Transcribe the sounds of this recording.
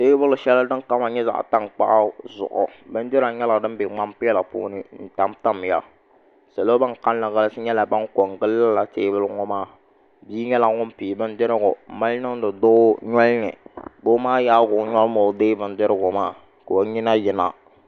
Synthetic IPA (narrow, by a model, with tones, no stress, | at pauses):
teː˦bʊ˦lʃɛ˦la˦dɨ˦ŋ˦ka˦ma˨ɲɛ˦za̰˨ʔta˦˨ŋk͡pa̰˦ʔa˦zʊ̰˨ʔʊ̰˨bɨ˦n˦dɪ˦ɾa˨ɲɛ˦la˨dɨ˦m˦bɪ˨ŋ͡ma˦mpɪ˦la˨pṵː˦nɨ˦n̩˨ta˨mta˦m˨ja̰˦ | se˨lo˦ba˦ŋ˨ka˦n˦la˨ɣa˦lsɨ˦ɲɛ˦la˨ba˦ŋko˨ŋɡɨ˦lːa˦la˨teː˦bʊ˦lŋɔ˦maː˦˨ | biː˦ɲɛ˦la˨ŋʊ˦m˦piː˨bɨ˦n˦dɪ˦ɾɪ˦ɡʊ˨ma˦lnɨ˦ŋ˦dɨ˨dʊ˦ɲɔ˦lnɨ̰˨bo˦maː˦jaː˦ɡʊ˨˦ɲɔ˦lmo˨˦deː˦bɨ˨n˦dɪ˦ɾɪ˦ɡʊ˨maː˦˨ | ko˨o˦ɲɪ˦na˦jɪ˨na̰˨